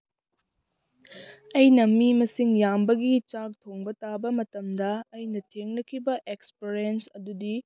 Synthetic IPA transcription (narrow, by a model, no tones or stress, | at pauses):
ɐjnɐmimɐsiŋjambɐɡit͡ʃak̚tʰoŋbɐtabɐmɐtɐmdɐːjnɐtʰeŋnɐkʰibɐʔekspeɾensɐ̰dudi